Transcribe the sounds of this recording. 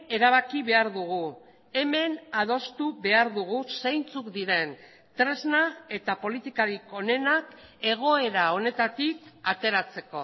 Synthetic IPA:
e̞ɾaβ̞akiβe̞aɾðuɣ̞u | e̞me̞naðo̞st̪uβe̞aɾðuɣ̞usejnt͡sukd̪iɾe̞n | t̪ɾe̞znae̞t̪apo̞lit̪ikaɾiko̞ne̞nake̞ɣ̞o̞e̞ɾao̞ne̞t̪at̪ikat̪e̞ɾat͡se̞ko̞

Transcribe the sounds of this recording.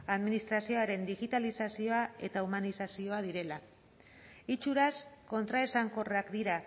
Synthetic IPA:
aðminist̪ɾasio̞aɾe̞nd̪iɣit̪alisasio̞ae̞t̪aumanisasio̞að̞iɾe̞la | it͡ʃuɾasko̞nt̪ɾaesaŋko̞reakd̪iɾa

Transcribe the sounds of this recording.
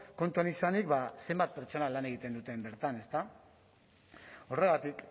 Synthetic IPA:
ko̞nt̪uanisanikbase̞mbat̪̚pe̞ɾt͡ʃo̞nalane̞ɣ̞it̪e̞nd̪ut̪e̞mbe̞ɾt̪ane̞st̪a | o̞re̞ɣat̪ik

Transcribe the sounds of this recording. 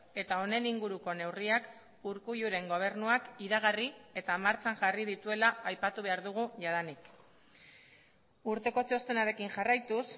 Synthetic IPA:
e̞t̪ao̞ne̞niŋɡuɾuko̞ne̞wriak | uɾkuʎuɾe̞ŋɡo̞β̞e̞ɾnuakiɾaɣ̞arie̞t̪amaɾt͡saŋʝarið̞it̪ue̞laːjpat̪uβ̞e̞aɾðuɣuʝað̞anik | uɾt̪e̞ko̞t͡ʃo̞st̪e̞naɾe̞kiŋʝarajt̪us

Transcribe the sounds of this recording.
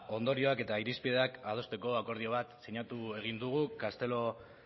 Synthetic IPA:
o̞nd̪o̞ɾio̞ake̞t̪aiɾispiðe̞akaðo̞st̪e̞ko̞ako̞ɾðio̞β̞at̪seɲat̪ue̞ɣ̞ind̪uɣ̞ukast̪e̞lo̞

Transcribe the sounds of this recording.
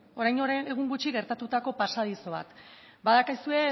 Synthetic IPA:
o̞ɾajnoɾeɣ̞uŋɡut͡ʃiɣe̞ɾt̪at̪ut̪ako̞pasaðiso̞β̞a̰t̪ | baðakisue̞

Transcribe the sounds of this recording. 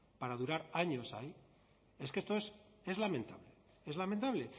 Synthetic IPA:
paɾaðuɾaɾaɲo̞sai | e̞skest̪oes | e̞zlamẽ̞nt̪aβle̥ | e̞zlament̪aβle̞

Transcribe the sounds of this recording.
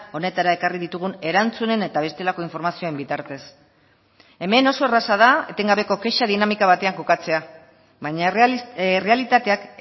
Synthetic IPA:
o̞ne̞t̪aɾae̞kariðit̪uɣ̞une̞ɾant͡sune̞ne̞t̪aβ̞e̞st̪e̞lako̞iɱfo̞ɾmasioembit̪aɾt̪e̞s | e̞me̞no̞so̞e̞rasaðae̞t̪e̞ŋɡaβ̞e̞ko̞ke̞ʃaðinamikaβat̪e̞aŋko̞kat͡se̞a | βaɲa | re̞alit̪at̪e̞ak

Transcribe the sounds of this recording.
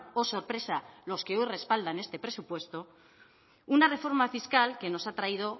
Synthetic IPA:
o̞so̞ɾpɾe̞salo̞ske̞o̞jre̞spald̪ane̞st̪e̞pɾe̞supwe̞st̪o̞ | unare̞fo̞ɾmafiskalke̞no̞sat̪ɾaið̞o̞

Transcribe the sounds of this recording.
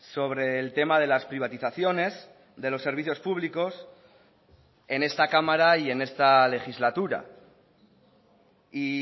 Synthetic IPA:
so̞βɾe̞ːlt̪e̞mað̞e̞laspɾiβ̞at̪iθaθjo̞ne̞s | ðe̞lo̞sːe̞ɾβ̞iθjo̞spuβliko̞s | e̞ne̞st̪akamaɾaie̞ne̞st̪ale̞xizlat̪uɾa̰ | i

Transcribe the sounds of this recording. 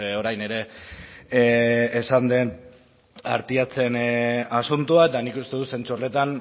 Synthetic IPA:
o̞ɾajne̞ɾe̞ | sand̪e̞n | a̰ɾt̪iat͡se̞nasunt̪uaet̪anikust̪e̞ðuse̞nt͡sure̞t̪an

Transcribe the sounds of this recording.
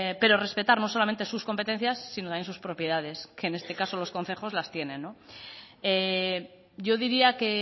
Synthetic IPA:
pe̞ɾo̞re̞spe̞t̪aɾno̞so̞lame̞nt̪e̞susko̞mpe̞t̪e̞nθjasːinot̪amjensuspɾo̞pje̞ðaðe̞ske̞ːne̞st̪e̞kaso̞lo̞sko̞nθe̞xo̞zlast̪je̞nẽ̞nːo | e | ɟ͡ʝo̞ðiɾiake̞

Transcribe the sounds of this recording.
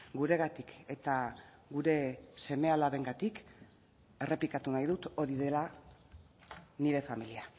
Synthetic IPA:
ɡuɾe̞ɣ̞at̪ikʰe̞t̪aɣuɾe̞se̞me̞alaβe̞ŋɡat̪ik | e̞re̞pikat̪unajðut̪o̞ɾiðe̞la | niɾe̞familia

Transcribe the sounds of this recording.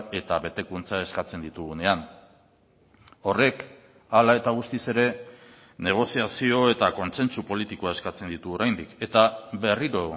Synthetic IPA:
e̞t̪aβe̞t̪e̞kunt͡sae̞skat͡se̞nd̪it̪uɣune̞an | o̞re̞k | alae̞t̪aɣ̞ust̪ise̞ɾe̞ | ne̞ɣ̞o̞siasio̞e̞t̪ako̞nse̞nsupo̞lit̪ikoae̞skat͡se̞nd̪it̪uoɾajnd̪ike̞t̪aβe̞riɾo

